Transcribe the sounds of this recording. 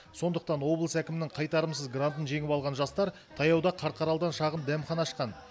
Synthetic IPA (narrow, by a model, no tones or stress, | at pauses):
so̞nd̪əq̚t̪ɑnwo̞blˠəsækʲɪmɪnɪŋqʰɑjt̪ɑɾəmsəzɡrant̪ənʒe̞ŋɪpɑlˠʁɑnʒɑst̪ɑɾ | t̪ʰɑjɑwd̪ɑqʰɑɾt̪̚qʰɑɾɑlˠd̪ɑnʃɑʁənd̪æmχɑnɑːʃqɑn